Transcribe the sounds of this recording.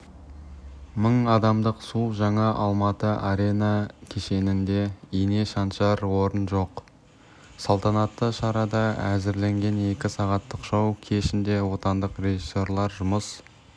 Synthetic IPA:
məɴɑd̪ɑmd̪əqsuʒɑɴɑʔɑlˠmɑt̪əʔaɾe̞jnɑkʲʰe̞ʃe̞nɪnd̪e̞ine̞ʃɑnʃɑɾwo̞ɾənʒo̞q | sɑlˠt̪ʰɑnɑt̪ːəʃɑɾɑd̪ɑæ̰zɪɾle̞ŋɡʲe̞ne̞kʲɪsɑʁɑt̪ːəqʒ̥ɑwkʲʰe̞ʃɪnd̪e̞wo̞t̪ɑnd̪əqre̞ʒisːo̞ɾlˠɑɾʒʊməs

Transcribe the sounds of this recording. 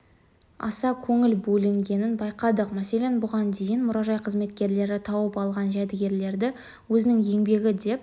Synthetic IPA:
ɑ̰sɑkʲʰɵŋɪlbɵlɪŋɡʲe̞nɪnbɑjqɑd̪əqmæse̞le̞nbʊʁɑnd̪e̞jɪnmʊɾɑʒɑjqʰəzme̞t̪̚kʲe̞ɾle̞ɾɪt̪ʰɑwəpɑlˠʁɑnʒæd̪ɪɡʲe̞ɾle̞ɾd̪ɪ | wɵzɪnɪŋje̞ŋbe̞ɡʲɪd̪e̞p̚

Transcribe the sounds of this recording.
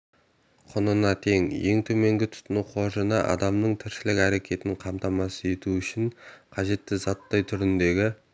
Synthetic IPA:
qʰʊnənɑt̪ʰe̞ŋje̞̰ŋt̪ʰɵme̞ŋɡʲɪt̪ʰʊ̥t̪ənəqʰo̞ʒənɑʔɑ̰d̪ɑmnəɴt̪ʰɪɾʃɪlɪkʲæɾe̞kʲʰe̞t̪ɪɴqʰɑmt̪ɑmɑsəe̞t̪uʏʃɪɴqʰɑʒe̞t̪ːɪzɑt̪ːɑjt̪ʰʏɾɪnd̪e̞ɡʲɪ

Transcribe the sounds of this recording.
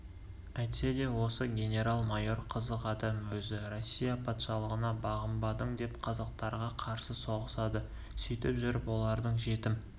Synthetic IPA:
æjt̪se̞d̪e̞wo̞səɡʲe̞nʲe̞ɾalˠmajo̞ɾqʰəzəqɑd̪ɑmwɵzɪro̞sʲːijapʰɑt̪ʃɑlˠəʁənɑbɑʁəmbɑd̪əɴd̪e̞pqʰɑzɑqt̪ɑɾʁɑqʰɑɾsəso̞ʁəsɑd̪ə | sʏjt̪ɪpʒʏɾɪpwo̞lˠɑɾd̪əɴʒe̞t̪ɪm

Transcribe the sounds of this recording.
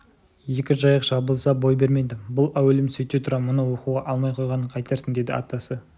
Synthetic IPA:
je̞kʲɪʒɑjəqʒ̥ɑbəlˠsɑbo̞jbe̞ɾme̞jd̪ɪbʊlˠæwelɪmsɵt̪ːet̪ʰʊɾɑmʊnəwo̞quʁɑʔɑlˠmɑjqʰo̞jʁɑnəɴqʰɑjt̪ɑɾsənd̪ed̪ɪɑ̰t̪ːɑsə

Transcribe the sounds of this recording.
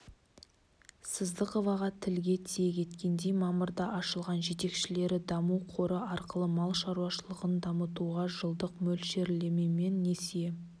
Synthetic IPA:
səzd̪əqəvɑʁɑt̪ʰɪlɡʲe̞t̪ʰije̞kʲʰe̞t̪kʲe̞nd̪e̞jmɑməɾd̪ɑʔɑʃəlˠʁɑnʒe̞t̪e̞kʃɪle̞ɾɪd̪ɑmuwqʰo̞ɾəʔɑɾqəlˠəmɑlˠʃɑɾuwɑʃəlˠəʁənd̪ɑmət̪uʁɑʒəlˠd̪əqmɵlʃe̞ɾle̞me̞me̞nːe̞se

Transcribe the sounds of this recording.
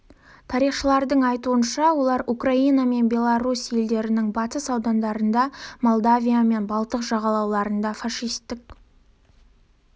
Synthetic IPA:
t̪ʰɑɾijχʃəlˠɑɾd̪əɴɑjt̪uənʃɑwo̞lˠɑɾukrainɑme̞nbʲe̞lˠaɾusje̞ld̪e̞ɾɪnɪŋbɑt̪əsɑwd̪ɑnd̪ɑɾənd̪ɑmo̞lˠd̪avʲijame̞nbɑlˠt̪əqʒɑʁɑlˠɑwlˠɑɾənd̪ɑfaʃijst̪ːɪk

